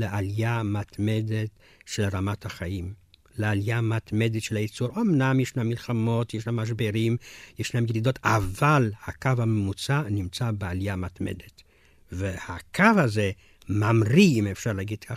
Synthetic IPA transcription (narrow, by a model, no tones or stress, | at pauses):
leʔalijamat̪me̞d̪et̪ | ʃelʁamat̪haχaim | lealijamat̪me̞d̪et̪ʃelajit͡suɾomnamjeʃnamːilχamo̞tjeʃnamaʃ̬beɾimjeʃnamjelid̪o̞t̪avalhakavhamemut͡sanimt͡sabealijamat̪mḛd̪et̪ | vehakʰavhaze | mamʁiimefʃaʁlaɡid̪kʰa